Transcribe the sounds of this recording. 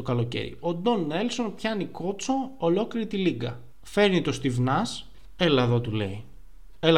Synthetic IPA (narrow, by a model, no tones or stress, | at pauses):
okɐlo̞cḛɾḭo̞d̪o̞nːe̞lso̞npçɐniko̞t͡soolo̞kliɾit̪iliɡɐ | fe̞ɾnit̪o̞st̪ivnɐs | e̞lɐðot̪ule̞i | el